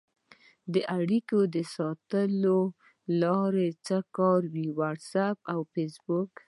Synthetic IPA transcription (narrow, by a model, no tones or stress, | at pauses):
d̪əʔaɽikod̪əsɑt̪əlo | lɑɾet͡səkɑɾwiwaʈsapawfesbʊk